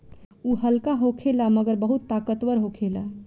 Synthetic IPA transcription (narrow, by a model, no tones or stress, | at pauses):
uɦəlkaɦokʰelaməɡəɾbəɦut̪ːakət̪ʋəɾɦokʰela